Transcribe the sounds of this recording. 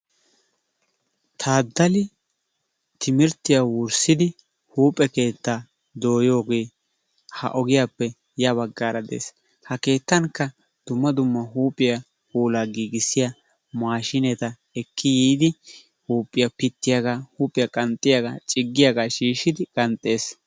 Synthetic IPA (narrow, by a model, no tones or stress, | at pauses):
t̪ʰaːd̪ːɐlɪ | t̪ʰɪmɪɾt̪ːɪjawʊɾsɪd̪ɪ | huːpʼɛke̞ːt̪ːaː | d̪o̞ːjo̞ːɡe̞ː | hɐ̰ʔɔɡɪjaːpːɛ | jɐβɐɡːaːɾɐd̪ḛːs | hɐke̞ːt̪ːɐŋkːɐ | d̪̥ʊmːɐd̪ʊmːɐɦuːpʼːɪjɐ | huːlaːɡiːɡɪsɪja | maːʃɪnɛt̪ɐ | ɛkʰːɪjiːd̪ɪ | huːpʼːɪjɐpɪt̪ːɪjaɡaːhuːpʼɪjakʼɐnt̪ʼːɪjaɡa̰ːt͡ʃʼɪɡːɪjaɡaːʃiːʃɪd̪ɪkʼɐnt̪ʼːe̞ːs